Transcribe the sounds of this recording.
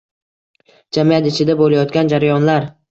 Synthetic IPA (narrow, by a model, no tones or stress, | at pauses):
d͡ʒamijat̪ɪt͡ʃʰɪd̪abolajɒt̪kʲɡʲand͡ʒaɾajɒnlaɾ